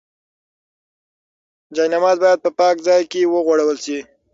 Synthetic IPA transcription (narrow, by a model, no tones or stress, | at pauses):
d͡ʒɑjnamɑz̚bɑjad̪̚pəpɑkzɑjkewəɣwaɽawəlʃi